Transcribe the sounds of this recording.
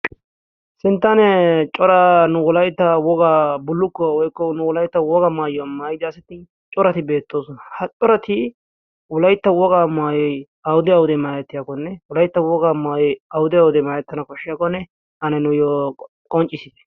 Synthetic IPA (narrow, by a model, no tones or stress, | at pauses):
sɪnt̪ːɐnɛt͡ʃʼɔɾɐnʊwʊlɐjt̪ːɐwɔɡabʊlːʊkːɔwɔjkːɔnʊwʊlɐjt̪ːɐwɔɡɐmaːjɔmaːjɪd̪ɪɐsɐt̪ɪ | t͡ʃʼɔɾɐt̪ɪbe̞ːt̪ːoːsɔnɐhɐt͡ʃʼɔɾɐt̪ɪ | wɔlɐjt̪ːɐwɔɡaːmaːjɔj | ɐwʊd̪ɪɐwʊd̪ɛmaːjɛt̪ːɪjakɔnːɛwʊlɐjt̪ːɐwɔɡaːmaːjɐwʊd̪ɪɐwʊd̪ɛmaːjɛt̪ːɐnɐkɔʃːɪjaːkɔnːɛ | ɐnɐnʊjɔ | kʼɔnt͡ʃʼːɪsɪd̪ɛ̥